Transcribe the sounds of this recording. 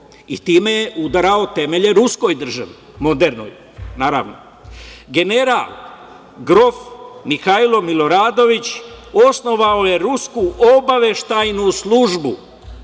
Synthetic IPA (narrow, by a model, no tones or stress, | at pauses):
ḭt̪iːmejeʔud̪aɾao̞t̪e̞me̞ʎe̞ɾusko̞jd̪r̩ʒaʋi | mo̞d̪eɾno̰j | naːɾa̰ːʋno̞ | ɡene̞ɾaːl | ɡɾo̞fmixailo̞milo̞ɾaːd̪o̞ʋit͡ɕosno̞ʋao̞je̞ɾuskuʔobaʋe̞ʃt̪ajnuslˠuʒbu